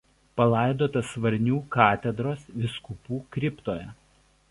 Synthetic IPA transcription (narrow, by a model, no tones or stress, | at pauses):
pɐlˠɑˑɪd̪oːt̪ɐsʋɐɾʲnʲuːkɑːt̪ʲɛd̪ɾoːsʋʲɪskʊpuːkɾʲɪpt̪oːjɛ